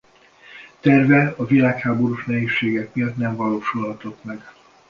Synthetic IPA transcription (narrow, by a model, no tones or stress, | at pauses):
t̪ɛrvɛɒvilaːkhaːbo̞ɾuʃnɛɦeːʃːeːɡɛkmijɒt̪nɛɱvɒloːʃulhɒt̪o̞t̪mɛɡ